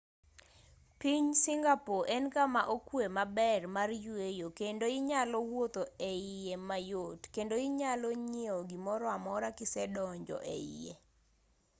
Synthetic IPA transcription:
piɲsɪŋɡapoʔɛnkamaʔokwemabɛrmarjwejokendoɪɲalɔwot̪oeɪjemajotkendoɪɲalɔɲioɡimɔɾɔamɔɾakɪsɛdɔɲd͡ʒɔ̰ʔḛḭjḛ

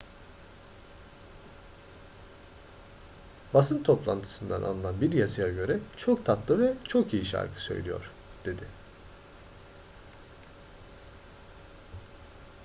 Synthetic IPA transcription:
basɯnt̪ʰo̞plˠant̪ʰɯ̥sɯnd̪a̰nʔa̰lˠɯlnanbiɾjazɯjaɟø̞ɾɛt͡ʃʰok̚t̪ʰat̪lˠɯvɛt͡ʃʰo̞kijiʃa̰ɾkʰɯ̥sø̞̰jlʲijo̞̰ɾ̥ | d̪̥e̞d̪ɪ

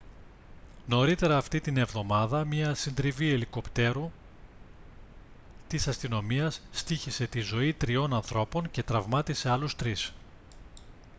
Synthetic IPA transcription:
no̞ɾit̪e̞ɾɐːft̪it̪ine̞vðo̞mɐðɐmɲɐsind̪ɾivie̞liko̞pt̪e̞ɾu | t̪isɐst̪ino̞miɐsːt̪içise̞t̪izo̞it̪ɾio̞nɐnθɾo̞po̞ɲce̞t̪ɾɐvmɐt̪ise̞ɐlust̪ɾis

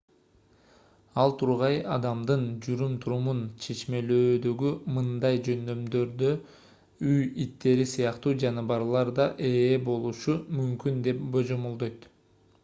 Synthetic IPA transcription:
ɑlˠt̪ʰuɾʁɑjɑd̪ɑmd̪ɯnd͡ʒuɾymt̪ʰuɾumunt͡ʃʰe̞t͡ʃme̞løːd̪øɡymɯnd̪ɑjd͡ʒø̞nd̪ø̞md̪ø̞ɾd̪ø | yjit̪ːe̞ɾisɯjɑqt̪uːd͡ʒɑnɯbɑɾlˠɑɾd̪ɑʔe̞ːbo̞lˠuʃumymkynd̪e̞pbo̞d͡ʒo̞molˠd̪ojt̪

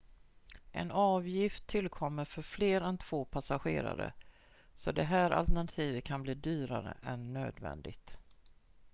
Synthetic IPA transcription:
ʔɛ̰nɑːvjɪft̪ʰːɪlkʰɔmːəɾfœɾfleːɾɛnt̪ʰv̥oːpʰasaɧḛːɾa̰ɾə̰ | sɔd̪ɛɦæːɾʔa̰lt̪ɛɳat̪ʰiːvət̪̚kʰanbliːd̪yːɾaɾə̰ʔɛnːø̰ːd̪vɛ̰nd̪ɪɡt̪

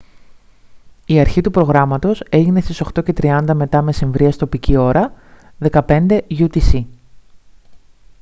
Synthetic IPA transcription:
iɐɾçit̪upɾo̞ɣɾɐmɐt̪o̞se̞ʝine̞st̪iso̞xt̪o̞ce̞t̪ɾiɐnd̪ɐme̞t̪ɐme̞siɱvɾiɐst̪o̞picio̞ɾɐ | ðe̞kɐpe̞nd̪e̞ʝut̪isi

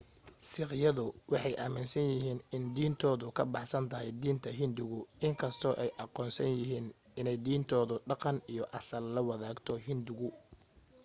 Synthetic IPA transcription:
sɪqjɐðʊwʔɑħɑjʔaːmɪnsɐnjɪɦiːnɪnd̪iːnt̪ʰɔːðʊkʰɐbɑħsɐnt̪ʰɐɦɛjd̪iːnt̪ʰɐɦɪnd̪ʊɣʊʔɪŋkʰɐst̪ʰɔːʔɛjʔɑqɔːnsɐnjɪɦiːn | ɪnɛjd̪iːnt̪ʰɔːðʊɖɑqɑnijɔʔɑsɐlːɐwɑðaːɡt̪ʰɔɦɪnd̪ʊɣʊ

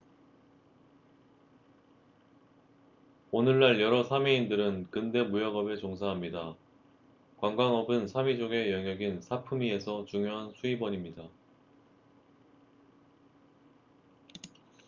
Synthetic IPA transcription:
onɯɭːaɭjʌɾʌsʰamiindɯɾɯnkɯnde̞mujʌɡʌbe̞t͡ɕoŋsʰaɦamɲida | kwaŋɡwaŋʌbɯnsʰamid͡ʑoɡe̞jʌŋjʌɡinsʰapʰɯmie̞sʰʌt͡ɕuŋjoɦansʰuibʌɲimɲida

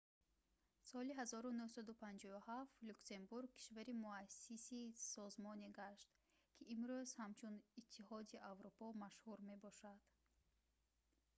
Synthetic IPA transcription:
sɔliɦazɔɾunuhsad̪upʰand͡ʒɔuhaft̪luksembuɾɡ̚kʰi̥ʃvaɾimuasisisɔzmɔneɡaʃt̪ | kʰiʔːmɾuz̥hamt͡ʃʰunit̪ʰːihɔd̪iʔavɾupʰɔmaʃhuɾme̞bɔʃad̪̥

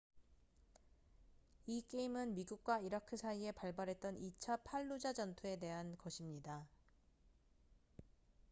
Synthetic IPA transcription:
ik͈e̞imɯnmiɡuk̚k͈waiɾakʰɯsʰaie̞paɭbaɾɦe̞t̚t͈ʌnit͡ɕʰapʰaɭːud͡ʑad͡ʑʌntʰoe̞de̞ɦankʌɕʰimɲida

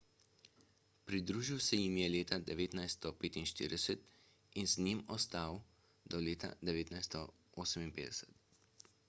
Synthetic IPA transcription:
pɾid̪ɾuːʒiwsɛjimjɛleːt̪ad̪ɛʋeːt̪najst̪ɔpeːt̪inʃt̪ḭːɾʲd̪ɛsɛt̪ | inznimɔst̪aw | d̪ɔleːt̪a̰d̪ɛʋeːt̪najst̪ɔ | oːsəminpeːd̪ɛsɛ̥t̪

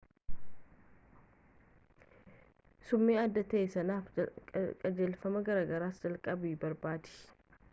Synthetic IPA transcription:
sʊmːeːɐd̪ːɐt̪ɐʔesɐnaːfkʼɐd͡ʒeːlfɐmɐɡɐɾaːɡɐɾaːsd͡ʒɐlkʼɐbibɐɾbaːd̪ɪ̥

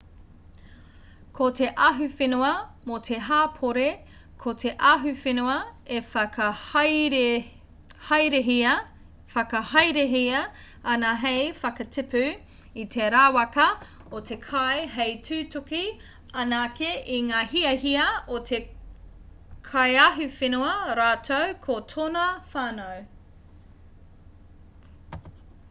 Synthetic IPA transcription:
kʰote̞ʔɐɦʉfenuɐmot̪ʰeɦaːpʰoɾe | kʰotʰeʔɐɦʉfenuɐefɐkɐ | hɐjɾeɦiɐ | fɐkɐhɐjɾeɦiɐ | ɐnɐɦejfɐkɐtʰipʉ | it̪ʰeɾaːwɐkɐ | otʰe̞kʰɐjɦejtʰʉːtoki | ɐnaːkeʔiŋaːhiɐɦiɐot̪ʰe | kʰɐjaɦufenuɐɾaːtʰowkʰotʰonɐfaːnow

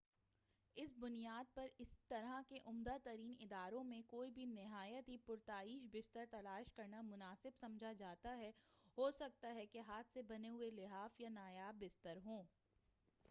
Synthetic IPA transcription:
ɪsbʊnijaːd̪̚pɐɾɪst̪ɐɾakeʔʊmd̪at̪ɐɾiːnɪd̪aːɾõmẽkoːibʱinɪɦaːjət̪ɦipʊɾt̪aːiːʃbɪst̪əɾt̪ɐlaːʃkɐɾnamʊnaːsɪbsɐ̃md͡ʒʱad͡ʒaːt̪aɦɛɦoːsɐk̚t̪aɦɛkeɦaːt̪ʰsebɐneɦʊelɪɦaːfjanaːjaːbːɪst̪əɾɦõː

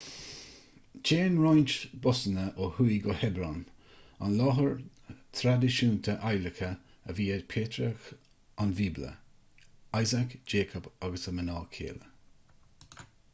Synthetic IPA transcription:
d͡ʒeːnɹajnt͡ʃbɔsənəʔohujɡɔhɛbɾɔn | a̰nlɔɦəɹ | t̪ʰɾad̪ɪʃuːnt̪ʰəʔajləkə | əviːədpʰeːt̪ɾəx | anviːblə̰ | ajzakd͡ʒeːkʰɔbaɡəsəmənɔːkʰḛːlə

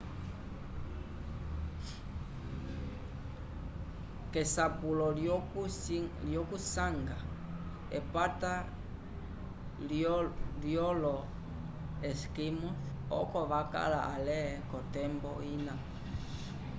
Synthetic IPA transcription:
kɛsapulɔ | ljɔkusaŋɡa | ɛpat̪a | ljɔlɔ | ɛskimɔs | ɔ̰kɔβaka̰laalɛkɔt̪ɛmbɔina

